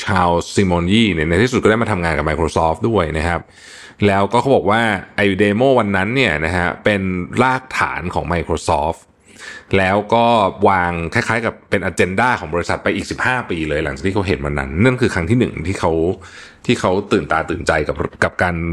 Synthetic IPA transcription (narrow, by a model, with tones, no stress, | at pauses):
t͡ɕʰaː˧wsi˧mɔː˧njiː˥˩ni˥˩na˧t̪ʰiː˥˩su˨t̪̚kɔ˥˩da˥˩ma˧t̪ʰa˧ŋaː˧nka˨˩pma˧jkʰɾoː˧sɔː˦˥du˥˩əjna˦˥kʰa˦˥p̚ | lɛː˦˥wkɔː˥˩kʰa˦˥wbɔː˨˩k̚waː˥˩ʔa˧ju˧deː˧moː˥˩wa˧nːa˦˥nːi˥˩ɐna˦˥kʰa˦˥pe˧nlaː˥˩k̚t̪ʰa̰ː˩˦nkʰɔː˩˦ŋma˧jkʰɾoː˧sɔː˦˥ | lɛː˦˥wkɔː˥˩waː˧ŋkʰaː˥˩kʰaː˦˥jka˨˩pːe˧nʔaː˧t͡ɕe˧ndaː˥˩kʰɔː˩˦ŋbɔː˧ɾi˦sa˨˩t̪̚pa˧jʔiː˨˩k̚si˨˩p̚haː˥˩piː˧lɤː˧ja˩˦ŋt͡ɕa˨˩kt̪ʰiː˥˩a˦˥ɦe˨˩˦nwa˧nːa̰˦˥nːa˥˩nkʰɯː˧kʰɾa˦˥ŋt̪ʰiː˥˩nɯ̰˨˩ŋt̪ʰiː˥˩kʰa˦˥w | t̪ʰiː˥˩kʰa˦˥wt̪ɯː˨˩nt̪aː˧t̪ɯː˨˩nt͡ɕa˧jka˨˩ka˨˩p̚kaː˧n